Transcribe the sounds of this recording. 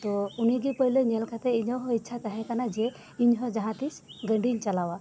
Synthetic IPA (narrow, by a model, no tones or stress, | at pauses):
t̪ɔuniɡipəɦileɲɛlkʰat̪ɛiɲɔwɦɔ̃itːʃʰat̪aɦɛ̃kanad͡ʒɛ | iɲɦɔd͡ʒaɦãt̪isɡə̃ɳɖʱiɲt͡ʃalawa